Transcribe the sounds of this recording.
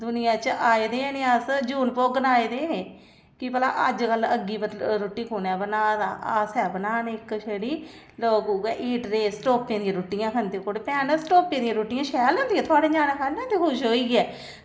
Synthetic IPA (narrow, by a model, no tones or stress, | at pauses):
d̪ʊnɪjãːt͡ʃəʔaːeːd̪eːneːasd͡ʒuːnpoːɡənaːeːd̪eːneː | kɪpəla̰ːʔəd͡ʒkələɡiːpəɾoːʈːiːkʰuːnɛːbənaːd̪aːʔaːsɛːbənaːnɪkʃeːɽiː | loːɡuːkɛːʔiːʈɾeːsʈoːpːẽːd̪ɪjãːɾʊʈːɪjãːkʰənd̪ẽːkoːɽeːpɛːnəsʈoːpẽːd̪ɪjãːɾoːʈːɪjãːʃɛːlõnd̪ijãːt̪ʊaːɖeːd͡ʒaːnaːkʰəãːt̪eːkʰʊʃɦoːiːɡɛː